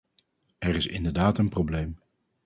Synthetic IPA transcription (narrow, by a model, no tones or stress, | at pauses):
ɛɾɪsɪ̰ndəɹdaːtənproblejm